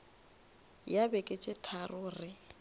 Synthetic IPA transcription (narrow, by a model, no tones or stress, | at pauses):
jabɛkʼɪt͡ʃʼɪtʰarʊːrɪ